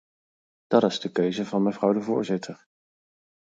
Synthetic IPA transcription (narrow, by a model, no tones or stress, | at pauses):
d̥ɑtɪzdəkøɥzəvɑnməvrʌwdəvʊːɹzɪtʰəɹ